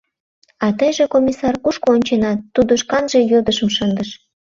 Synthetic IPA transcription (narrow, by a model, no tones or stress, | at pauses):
ɑt̪əjʒekomʲisɑrkuʃkoonʲt͡ɕenɑt̪ːud̪oʃkɑnʒejod̪əʃə̆mʃənd̪əʃ